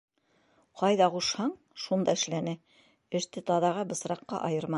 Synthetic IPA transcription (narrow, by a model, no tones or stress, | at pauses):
qɑjðɑʁuʃhɑɴ | ʃund̪ɑɘ̆ʃlænɘ | ɘ̆ʃt̪ɘt̪ɑðɑʁɑbɤ̆sɾɑqːɑ̰ʔɑjɤ̆ɾmɑ